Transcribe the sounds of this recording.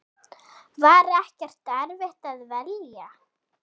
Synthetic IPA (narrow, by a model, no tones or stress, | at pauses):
vaːɾɛhcɛr̥t̪ɛɾvɪht̪aðvɛlja